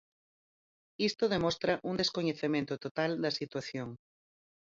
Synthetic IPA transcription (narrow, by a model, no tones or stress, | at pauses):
ist̪oðemɔst̪ɾɐʔund̪eskoɲeθemẽnt̪ot̪ot̪ald̪ɐsit̪waθjoŋ